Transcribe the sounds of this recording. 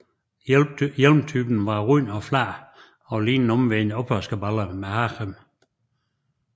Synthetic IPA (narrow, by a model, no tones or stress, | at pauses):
jelmt͡sʰyb̥n̩ʋɑ̈ʁyːnɒ̽flæ | ɒ̽liːnn̩ɔmʋenɒb̥hœsɡ̥əbɑləmehɑχəm